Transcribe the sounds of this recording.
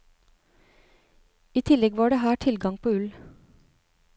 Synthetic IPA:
iːt̪ʰɪlɛɡʋɑːɖeːhæːʈʰɪlɡɑŋpʰoːʉl

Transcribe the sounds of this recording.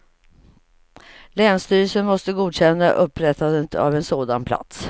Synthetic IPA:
lɛːnst̪yːɾəsənmɔst̪əɡuːd̪ɕɛnːaʔɵpʰːɾɛt̪ːad̪ət̪a̰vɛnsoːd̪anpʰla̰t̪s

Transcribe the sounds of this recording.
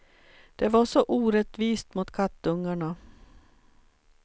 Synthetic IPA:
d̪̥ɛvaʂɔʔuːɾɛt̪viːst̪mʊt̪kʰat̪ːɵŋːaɳa

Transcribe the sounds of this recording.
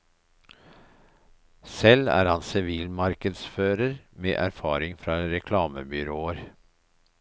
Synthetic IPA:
sɛlæ̰ːɾhɑnsɪʋiːlmɑɾkəd̪sføːɾəɾmḛːʔæɾfɑːɾɪŋfɾɑɾɛkʰlɑːməbʏɾoːəɾ

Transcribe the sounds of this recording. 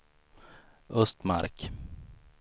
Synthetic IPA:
ʔɵst̪ma̰ɾk

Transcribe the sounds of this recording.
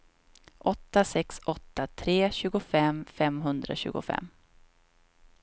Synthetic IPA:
ʔɔt̪ːasɛksɔt̪ːat̪ʰɾeːɕʉ̟ːɡʊfɛmfɛmɦɵnd̪ɾa̰ɕʉ̟̰ːɡʊ̰fɛ̰mː

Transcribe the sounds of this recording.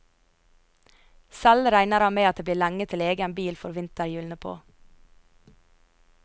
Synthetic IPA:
sɛlɾæɪnəɾɑːmeːɑt̪̚d̪eːb̪liːɾlæŋət̪ʰɪleːɡəɛnbiːlfɔɾʋɪnt̪əɾjʉːlnəpʰo̰ː

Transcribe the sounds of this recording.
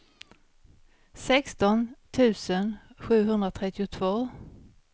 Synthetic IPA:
sɛkst̪ɔnt̪ʰʉ̟ːsənɧʉ̟ːɦɵnd̪ɾat̪ʰɾɛt̪ːɪʊt̪ʰvoː

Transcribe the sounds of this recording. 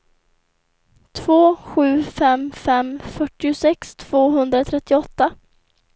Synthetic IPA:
t̪ʰv̥oːɧʉ̟ːfɛmfɛmfœʈːɪʊsɛkst̪ʰv̥oːɦɵnd̪ɾat̪ʰɾɛt̪ːɪɔt̪ːa

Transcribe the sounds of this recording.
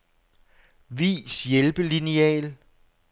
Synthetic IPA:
ʋḭːsjelb̥əliniɛ̰ːl

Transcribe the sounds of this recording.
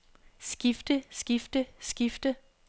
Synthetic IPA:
sɡ̥ifd̥əsɡ̥ifd̥əsɡ̥ifd̥ə

